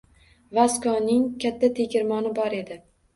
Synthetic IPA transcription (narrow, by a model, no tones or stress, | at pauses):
vaskɒnɪŋkʲʰat̪ʰːat̪ʰekʲʰɪɾmɒnɪbɒɾe̞d̪ɪ